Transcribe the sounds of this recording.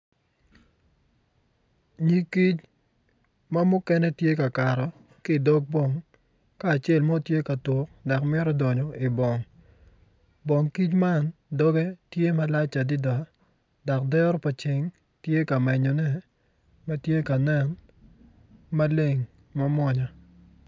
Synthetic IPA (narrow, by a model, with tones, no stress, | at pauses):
ɲi˦ki˦t͡ʃ | ma˦mʊ˦kɛ˦nɛ˦tje˦ka˨ka˨ɾɔ˨ | kɪ˦˨dɔ˦ɡ̚bɔ˨ŋ | kaː˦˨t͡ʃe˦˨lmo˦tje˦ka˨tʊ˨k̚da˨kmɪ˦ɾɔ˦dɔ˨ɲɔ˨ɪ˨bɔ˨ŋ | bɔ˨ŋki˦t͡ʃma˦ndɔ˦ɡɛ˦tje˦ma˦la˦t͡ʃa˨dɪ˦da˨ | da˨k̚dɛ˦ɾɔ˦pa˨t͡ʃɪ˨ŋ | tje˦ka˨mɛ˨ɲɔ˨nɛ˦ | ma˦tje˦ka˨nɛ˦n | ma˦le˨ŋ | ma˦mwɔ˦ɲa˨